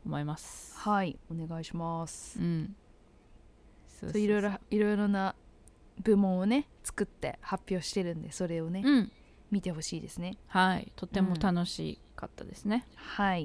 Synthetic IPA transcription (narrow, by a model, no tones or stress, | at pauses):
omoimasɨ̥haio̞ne̞ɡaiɕimasɯ̟̃ | sosoiɾo̞jɾoiɾo̞jɾo̞na | bɯ̟mõ̞ɰ̃o̞ne̞t͡sɨ̥kɯ̟t̪ːe̞̰hapʲːjo̞ːɕi̥t̪e̞ɾɯ̟̃nd̪e̞so̞ɾe̞onẽ̞ | mʲit̪e̞ɦo̞ɕiːd̪e̞sɨne̞haḭt̪o̞t̪ːe̞mo̞t̪ano̞ɕḭ | kat̪ːad̪esɨne̞hai